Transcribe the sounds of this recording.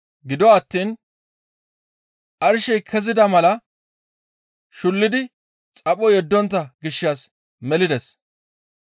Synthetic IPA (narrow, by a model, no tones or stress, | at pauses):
ɡɪd̪ɔɐt̪ːiːn | ʔɐɾʃɛjkʰɛzɪd̪ɐmɐlɐ | ʃʊlːɪd̪ɪ | t͡sʼɐpʼɔjɛd̪ːɔnt̪̬ːɐɡɪʃːaːs | mɛlɪd̪ɛs